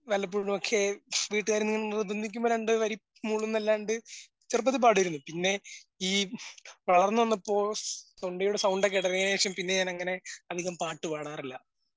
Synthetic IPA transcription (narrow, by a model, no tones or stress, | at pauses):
ʋɐlːɐp̬ːuɽumokʰːeʋiːʈːɨɣaːɾinːiŋːɐɳrud̪ʱɐnd̪ikʲːumboɾeɳɖɨʋɐɾi | muːɭunːɐlːaːɳɖɨ | t͡ɕirp̬ːɐðɨpaːɽijɐɾunːupinːe̞iːʋɐɭɐrnːɨʋɐnːɐpːo̞ːt̪oɳɖɐjuɽesɐwɳɖek̬eɽɐrijɐneːkʂjɐmpinːe̞ɲaːnɐŋːɐne̞ɐd̪ʱiɣɐmpaːʈːɨpaːɽaːrilːɐ